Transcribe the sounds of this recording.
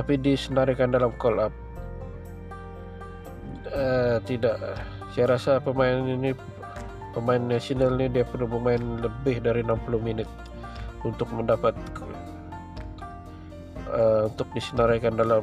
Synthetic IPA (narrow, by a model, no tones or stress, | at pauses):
t̪apidisənaɾikandalamkɔlap̚ | ət̪idaʔ | sajaɾasapəmaɪnnini | pəmaɪnːasinalnidiapərluməmaɪnləbɪhdaɾiənampulʊhminɪt̪̚ | unt̪ʊk̚məndapat̪̚ | əunt̪ʊk̚disənaɾakandala